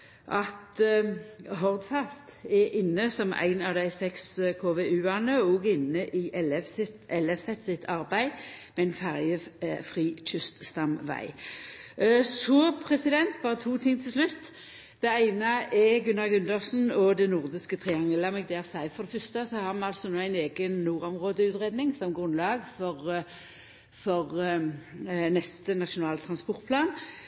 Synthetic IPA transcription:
ʔɑt̪ | ɦɔʁd̪fæst̪ɛʔɪnːəsɔmʔæ̰ɪnɑʋd̪æɪsɛkskʰoːʋeʉːɑnəoːɡɪnːəʔɪʔɛlɛfsɪt̪ʔɛlɛfsɛt̪ːsɪt̪ʰɑʁbæɪ | mɛɪnfæʁjəfʁiːtʰʏst̪st̪ɑmʋæ̰ɪ | sɔpʰʁɛsɪd̪ɛnt̪bɑːʁət̪ʰuːt̪ʰɪŋt̪ʰɪlslʉt̪ː | d̪̥ɛæɪnəɛɡʉnːɑʁɡʉnd̪əʁsn̩ɔd̪ɛnʊʁd̪ɪskət̪ʰʁɪɑŋləmɛɡ̚d̪ɛːsæɪfɔʁd̪ɛfʏst̪əsɔhɑʁmɑnɑlsɔnoːæɪneːɡənnuːʁɔmʁoːd̪əʉːt̪ʁeːd̪nɪŋsɔmɡʁʉnlɑːɡfɔʁ | fɔʁ | nɛst̪ənɑʃʊnɑːlt̪ʰɾʁɑnspɔʁt̪̚pʰlɑːn

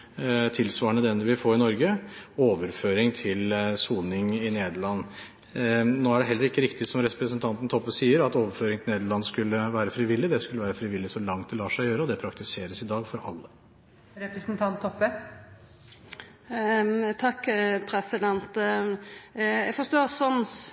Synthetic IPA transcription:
t̪ʰɪlsʋɑːəɳəd̪ɛnd̪əʋɪfoːɾɪnɔɾɡəoːʋəɾføːɾɪŋt̪ʰɪlsuːnɪŋɪneːd̪əɭɑnː | noːæɖɛɦɛlːəɾɪkːəɾɪkt̪ɪsɔmɾɛpɾəsənt̪ʰɑnt̪ən̩t̪ʰɔpːəsiːəɾɑt̪oːʋəɾføːɾɪŋt̪ɪlneːd̪əɭɑnskʉlːəʋæːɾəfɾiʋɪlːɪd̪ɛskʉlːəʋæːɾəfɾɪʋɪlːɪsɔlɑŋt̪̚ɛlɑːʂæɪjøːɾəɔd̪ɛpʰɾɑk̚t̪ɪseːɾəsɪd̪ɑːɡfɔɾɑlːə | ɾɛpɾəsnt̪ʰɑnt̪ʰːɔpːə | t̪ʰɑkːpʰɾɛsɪd̪ɛnt̪ | jɛɡfɔst̪oːsɔn

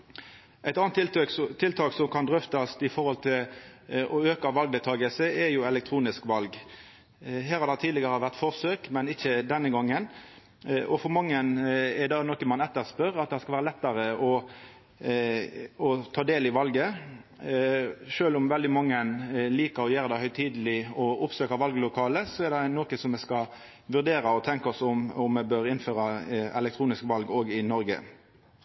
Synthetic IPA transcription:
ʔæɪt̪ɑnt̪t̪ʰɪlt̪ʰɑːksɔmkʰɑnd̪ʁʏft̪ɑst̪ɪfɔɾhɔlt̪ʰɪlɔøːkɑʋɑlɡ̚d̪ɛt̪ʰɑːɡəsəɛjʊɛlɛkt̪ʰɾuːnɪskʋɑlɡ | ɦæːɾhɑɾd̪æt̪ʰiːd̪ɪɡəʁəʋæʁt̪fɔʁsøːkmɛnɪçːəd̪ɛnːəɡɑŋːən | ʔɔfɔɾmɑŋːənɛd̪ɑnɔkəmɑnɛt̪ːəʁspœɾɑt̪̚d̪hæskɑlʋæːɾəlɛt̪ːɑɾəɔ | ɔt̪ʰɑːd̪eːlɪʋɑlɡə | ʃøːlʊmʋɛld̪ɪmɑŋːənliːkəɾɔjøːɾəd̪ɛhœʏt̪ʰiːd̪əlɪɔʊpsøːkɑʋɑlɡlʊkʰɑːləsɔɛd̪ɛnoːkəsɔmɛskɑ | ʋʉʁd̪eːɾɑɔt̪ʰɛŋkɔsɔmɔmːɛbøːɾɪnføːɾɑɛ̰lɛk̚t̪ʰɾuːnɪskʋɑlɡoːɡɪnɔɾɡə̰

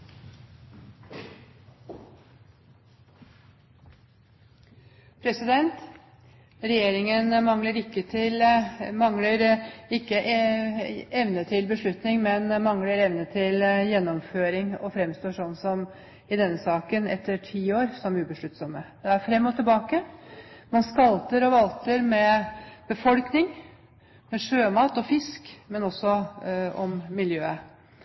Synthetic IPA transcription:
pʰɾɛsɪd̪ɛnt̪ | ɾɛjeːɾɪŋənmɑŋləɾɪkːət̪ʰɪlmɑŋləɾɪkːəʔ | ɛʋnət̪ʰɪlbəʂɭʉt̪nɪŋmɛnmɑŋləɾɛʋnət̪ʰɪljɛnːɔmføːɾɪŋɔfɾɛmst̪oːʂɔnːsɔm | ɪd̪ɛnːəsɑːkənɛt̪ʰːəʈʰiːoːɾsɔmʉːbəʂɭʉt̪ːsɔmːəd̪̥ɛæɾfɾɛmːɔt̪ʰɪlbɑːkəmɑnskɑlt̪əɾɔʋɑlt̪əɾmɛb̥əfɔlknɪŋ | mɛʂøːmɑːt̪ɔfɪskmɛnɔsːɔɔmmɪljøːə

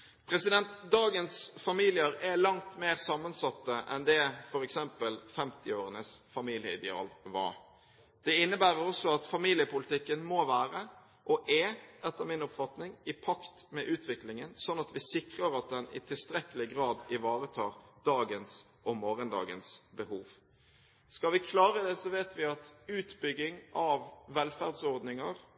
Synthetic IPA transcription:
pʰɾɛsɪd̪ɛnt̪d̪ɑːɡənsfɑmiːlɪəɾɛlɑŋt̪meːʁsɑːmːənsɑt̪ːəʔɛ̰nd̪ɛfɔɾɛksɛmpəlfɛmt̪ɪoːɾənəsfɑmiːlɪə̰ɪd̪ɛɑ̰ːlʋɑ̰ɾ | d̪̥ɛɪnːəbæːɾəɾɔsɔɑt̪fɑmiːlɪəpʊlɪt̪ɪkːənmoʋæːɾə | ʔɔʔɛʔɛt̪ːəmɪnɔpfɑt̪nɪŋɪpʰɑkt̪mɛʔʉːt̪ʋɪklɪŋənsɔnːɑt̪ʋɪsɪkʁəɾɑt̪̚d̪ɛnɪ̰t̪ʰɪlst̪ɾɛkːəlɪɡɾɑːd̪ɪʋɑːɾət̪ʰɑːɾd̪̥ɑːɡənsʔɔmoːɾənd̪ɑ̰ːɡənsbəhuːʋ | skɑʋɪkʰlɑːɾəd̪ɛsɔʋeːt̪ʋɪɑt̪ʉːt̪bʏɡːɪŋʔɑʋːɛlfæʁd̪sɔɾd̪nɪŋəɾ

